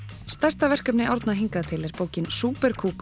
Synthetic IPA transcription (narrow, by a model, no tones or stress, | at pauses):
st̪ɛr̥st̪avɛr̥kœpnɪʔɔɾt̪naɦiŋkaðt̪ʰɪlɛɾ̥poːwcɪnsuːpɛɾkʰuːk